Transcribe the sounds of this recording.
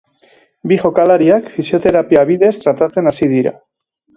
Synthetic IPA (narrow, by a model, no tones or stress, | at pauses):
biʝo̞kalaɾiakfisio̞t̪e̞ɾapiaβ̞iðe̞st̪ɾat̪at͡se̞nasið̞iɾa̰